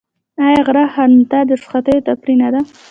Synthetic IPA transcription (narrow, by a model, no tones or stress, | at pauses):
ajaɣɾahaɾnt̪ad̪əsχat̪əjot̪apɾinad̪a